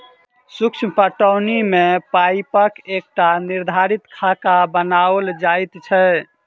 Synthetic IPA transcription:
sukt͡ʃʰmpəʈəwnimepajpəkek̚ʈaniɾd̪ʱaɾit̪kʰakabənaəld͡ʒajt̪t͡ʃʰɛ

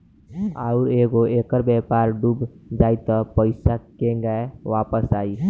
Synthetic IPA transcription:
a̰ʊɾeːɡoeːkəɾbɛːpaːɾɖuːbd͡ʒaːit̪əpəɪsakeɡəeʋaːpəsaːiː

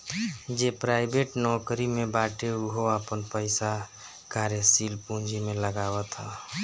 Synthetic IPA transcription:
d͡ʒepɾaːɪbeʈnɔkɾimẽbaʈeuɦoəpənpəɪsa | kaɾjesiːlpũd͡ʒimẽləɡawət̪ɦɛ̰

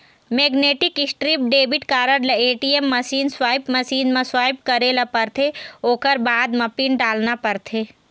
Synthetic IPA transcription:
meːɡneːʈɪkɪsʈɾiːp̚ɖeːbɪʈkaːɾəɽlɐeːʈiemːɐsiːnswaːpmɐsiːnmãswaːjp̚kɐɾelapəɾt̪ʰeoːkəɾbaːd̪mɐpinɖaːlnapɐɾt̪ʰeː

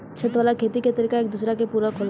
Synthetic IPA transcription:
t͡ʃʰət̪ʋaːlakʰeːt̪iket̪əɾikaeːk̚d̪usɾakepuːɾakʰol

